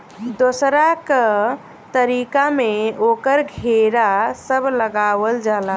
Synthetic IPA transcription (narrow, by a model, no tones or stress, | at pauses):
d̪osɾakə | t̪əɾikameokəɾɡʱeɾasəbʱləɡaʋəld͡ʒala